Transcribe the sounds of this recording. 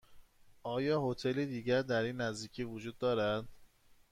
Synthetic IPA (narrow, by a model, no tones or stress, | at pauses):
ʔɒːjɒːhot̪ʰelid̪iːɟæɾd̪æɾiːnːæzd̪iːcʰiːvod͡ʒuːd̪ːɒːɾæd̪̥